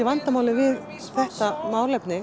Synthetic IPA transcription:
ɪvant̪amaːwlɪvɪð | θɛht̪amaːwɾlɛjpnɪ

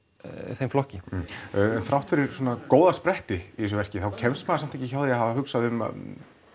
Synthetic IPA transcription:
θejmflɔhcɪ | ɛnθɾawht̪fɪɾɪɾ̥swɔːnakoːwðaspɾɛht̪ɪiðɛs̬ʏvɛr̥cɪθawcʰɛnst̪maːsam̥t̪ʰɛcɪçawðiahavaɦʏksaðɪʏma̰

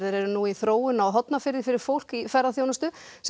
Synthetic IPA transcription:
ðɪɾɛɾʏnuiθɾoːwʏnaːwɦɔt̪nafɪɾɪfɪɾɪɾ̥fowl̥kifɛɾːaθjoːwnast̪ʏs

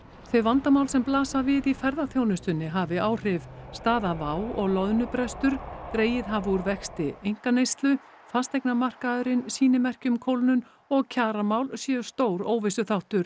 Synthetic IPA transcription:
θœɥvant̪amawlsɛmplaːsavɪðifɛɾðaθjownʏst̪ʏnːɪɦavɪaːwr̥ɪvst̪aːðavaːwɔɣlɔðnʏpɾɛst̪ʏɾ̥t̪ɾeːjɪðɦavuɾvɛxst̪ɪejŋ̥kanejst̪lʏ | fast̪ejk̚namar̥kaðʏɾɪnsiːnɪmɛr̥cʏmkʰowlnʏn | ɔɣcʰaːɾamawlsjɛst̪oːwɾoːwvɪsʏθawht̪ʏɾ̥

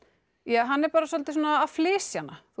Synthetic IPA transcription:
jaːɦanːɛɾpaːɾasɔlt̪ɪsoːnaːflɪːsjanaθ

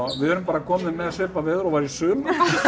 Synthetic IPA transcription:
vɪhœɾʏmpaːɾakʰɔːmɪðmɛðasɪːpavɪːðʏɾɔvaɾisʏːm

